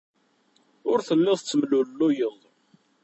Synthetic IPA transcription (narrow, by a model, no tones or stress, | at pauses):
ʊɾθəlːɪðˤt͡sːəmlʊllːʊjəðˤ